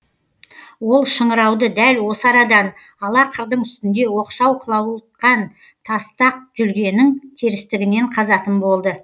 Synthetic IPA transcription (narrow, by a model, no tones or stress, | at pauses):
wo̞lˠʃəɴəɾɑwd̪əd̪ælwo̞səɑɾɑd̪ɑn | ɑlˠɑqʰəɾd̪əɴʏst̪ɪnd̪e̞wo̞qʃɑwqʰəlˠɑwˠt̪qɑn | t̪ʰɑst̪ɑq̚ʒʏlɡʲe̞nɪŋt̪ʰeɾɪst̪ɪɡʲɪne̞ɴqʰɑzɑt̪əmbo̞lˠd̪ə